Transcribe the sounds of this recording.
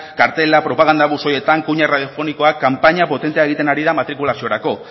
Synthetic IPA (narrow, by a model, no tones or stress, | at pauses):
kaɾt̪e̞lapɾo̞paɣ̞and̪aβuso̞je̞t̪aŋkuɲaraðjo̞fo̞niko̞akːampaɲapo̞t̪e̞nt̪eae̞ɣ̞it̪e̞naɾiðamat̪ɾikulasio̞ɾako̞